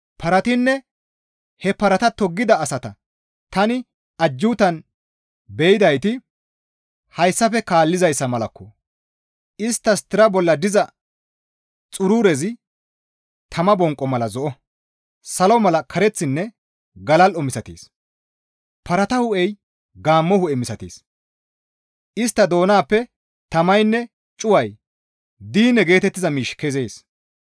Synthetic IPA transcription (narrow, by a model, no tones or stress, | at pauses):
pɐɾɐt̪ɪnːɛ | hɛpɐɾɐt̪ɐt̪ɔɡːɪd̪ɐːsɐt̪ɐ | t̪ɐnɪ | ɐd͡ʒːuːt̪ɐn | bɛjɪd̪ɐjt̪ɪ | hɐjsːɐfɛkaːlːɪzɐjsːɐmɐlɐ̰kːɔ | ɪst̪ːɐst̪ɪɾɐbɔlːɐd̪ɪzɐ | t͡sʼʊɾuːɾɛzɪ | t̪ʰɐmɐbɔŋkʼːɔmɐlɐzɔʔɔ | sɐlɔmɐlɐkʰɐɾɛt͡sːɪnːɛ | ɡɐlɐlɔmɪsɐt̪ḛːs | pɐɾɐt̪ɐhʊʔɛj | ɡaːmːɔhʊɛmɪsɐt̪eːs | ʔɪst̪ːɐd̪o̞ːnaːpːɛ | t̪ɐmɐjnːɛ | t͡ʃʼʊwɐj | d̪iːnːɛɡe̞ːt̪ɛt̪ːɪzɐmiːʃkɛzeːs